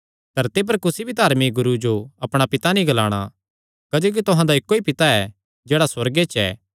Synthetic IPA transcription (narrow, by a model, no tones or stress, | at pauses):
d̪̥ʱɐɾt̪ip̬ɐɾkʊsibʱid̪aːɾmiɡʊɾud͡ʒoɐpɽ̃apɪt̪anĩɡɐlaːɽ̃a̰ | kɐd͡ʒoːk̬it̪ʊɦãd̪aɪkːoipɪt̪aɛ | d͡ʒeːɽaswɐɾɡet͡ʃɛ̰